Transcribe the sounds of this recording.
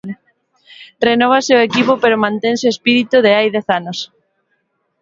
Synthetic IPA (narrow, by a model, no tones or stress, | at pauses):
renɔβ̞aseoekipopeɾomãnt̪enseoespiɾit̪uðeajðɛθanos